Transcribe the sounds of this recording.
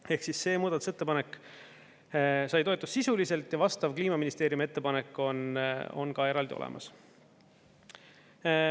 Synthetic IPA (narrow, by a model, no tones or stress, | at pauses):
e̞hksisːe̞ːmuːd̪̥ɑt̪u̥se̞t̪ːe̞pɑnekːˑ | sɑjt̪o̞et̪ːˑussisulise̞lt̪ˑjɑvɑst̪ɑvkliːmɑminist̪e̞ːɾjume̞t̪ːe̞pɑnekːˑo̞no̞̰nkɑe̞ɾɑld̪io̰lḛmɑ̰s